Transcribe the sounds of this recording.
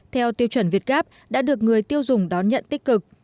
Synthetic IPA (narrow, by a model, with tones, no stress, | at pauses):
t̪ʰɛ˧wt̪i˧əwt͡ɕə˧˩nvi˨˩t̚ɣaː˦˥p̚ | ɗa̰ː˧˥ɗɨ˨˩ək̚ŋɨ˨˩əjt̪i˧əwzʊ˨˩ŋ͡mɗɔ˨˦nɲə̰˧˨nt̪i˦˥k̟̚kɨ˨˩k̚